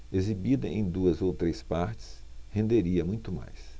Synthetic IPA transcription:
ezibid̪ɐ̰ʔẽj̃d̪uɐzowt̪ɾespaɾt͡ʃɪ̥s | hẽnd̪eɾiɐmũj̃t̪ʊma̰js

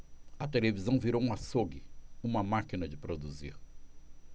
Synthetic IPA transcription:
ɐt̪elevizɐ̃w̃viɾowũasoɡɪũmɐmakinɐd͡ʒɪpɾod̪uzḭɾ

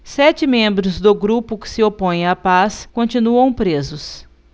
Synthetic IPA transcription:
sɛt͡ʃɪmẽmbɾʊzd̪ʊɡɾupʊkɪ̥sɪopõj̃apaskõnt͡ʃinuɐ̃w̃pɾezʊs

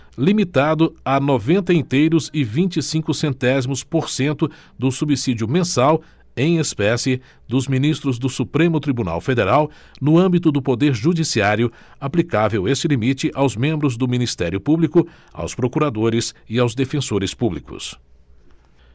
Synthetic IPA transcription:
limit̪ad̪ʊanɔvẽnt̪ɐĩnt̪ejɾʊzɪvĩt͡ʃisĩŋkʊsẽnt̪ɛzimʊspoɾsẽnt̪ʊ | d̪ʊsubisid͡ʒʊmẽsaw | ẽj̃espɛsɪ | d̪ʊzminist̪ɾʊzd̪ʊsupɾẽmʊt̪ɾibuna̰wfed̪eɾaw | nʊɐ̃mbit̪ʊd̪ʊpod̪eɾʒud͡ʒisiaɾjʊ | aplikavewest͡ʃɪlimit͡ʃɪʔawzmẽmbɾʊzd̪ʊminist̪ɛɾjʊpublikʊ | a̰wspɾokuɾad̪oɾɪsɪawzd̪efẽsoɾɪspublikʊ̰s

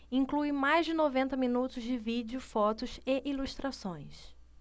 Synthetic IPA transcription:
ĩŋkluɪmajzd͡ʒɪnovẽnt̪ɐminut̪ʊzd͡ʒɪvid͡ʒiʊfɔt̪ʊsɪʔiluʃt̪ɾʔasõj̃s

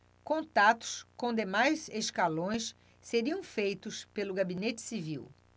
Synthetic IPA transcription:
kõnt̪at̪ʊ̥skõd̪emajzeʃkalõj̃s | seɾiɐ̃w̃fejt̪ʊspelʊɡabinet͡ʃɪ̥sivḭw

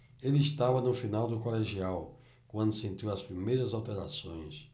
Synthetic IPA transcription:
elɪist̪avɐnʊfinawd̪ʊkoleʒiaw | kwɐ̃nd̪ʊsẽnt̪iwɐspɾimejɾɐzawt̪eɾa̰sõj̃s

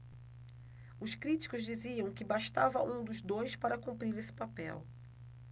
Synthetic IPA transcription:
ʊskɾit͡ʃi̥kʊzd͡ʒiziɐ̃w̃kɪbaʃt̪avɐ̰ʔũd̪ʊzd̪ojspaɾɐkũpɾiɾesɪ̥papɛ̰w

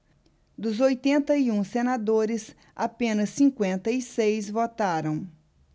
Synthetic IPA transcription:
d̪ʊzojt̪ẽnt̪ɐiũsenad̪oɾɪs | apẽnɐsːĩŋkwẽnt̪ɐisejzvot̪aɾɐ̃w̃

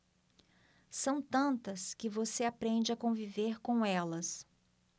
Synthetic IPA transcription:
sɐ̃w̃t̪ɐ̃nt̪ɐskɪvoseapɾẽd͡ʒɪɐkõviveɾkõw̃ɛlɐs

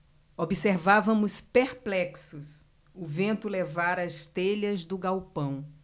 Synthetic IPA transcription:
obiseɾvavɐ̃mʊspeɾplɛksʊs | ʊvẽnt̪ʊlevaɾɐɐst̪eʎɐzd̪ʊɡawpɐ̃w̃

